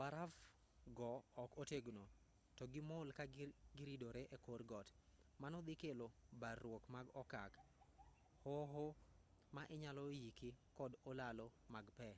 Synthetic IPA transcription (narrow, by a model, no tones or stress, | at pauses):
baɾav | ɡɔːkoteɡuno | tɔɡɪmolkaɡɪɾidoɾeʔekorɡɔt | manɔd̪ɪkelobarːwokmaɡɔkak | hoɦo | maʔɪɲalɔjikikɔdolalɔ | maɡpɛ